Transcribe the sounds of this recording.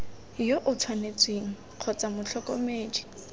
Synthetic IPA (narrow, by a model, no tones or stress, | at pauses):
joʔʊt͡sʰwanet͡sʼweŋ̩ | q͡χʰɔt͡sʼamʊt͡ɬʰɔkʼɔmeːd͡ʒi̥